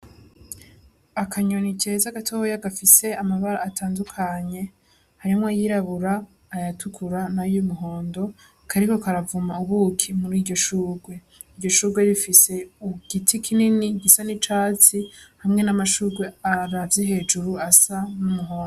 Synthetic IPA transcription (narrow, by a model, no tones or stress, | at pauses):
akʰaɲonicezaɡatʰohojaɡafise̞amaβaɾa̰ːtʰaːndukʰaɲe̞ | haɾimŋwojiɾaβuɾaː | jatʰukʰuɾanajumuɦo̞ːndo̞ | kʰaɾikokaɾavumauβukʰimuɾiːdɟo̞ʃuːɡwe̞ | iɾɟo̞ʃuːɡwe̞ɾifise̞uɡ̥itʰikʰininiɡisanit͡ʃaːt͡sihamŋe̞namaʃuːɡwe̞aɾavjeɦe̞ːd͡ʒuɾuasanumuɦo̞ːndo